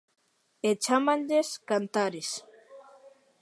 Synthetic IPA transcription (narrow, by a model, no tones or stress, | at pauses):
et͡ʃamãnʎeskant̪aɾes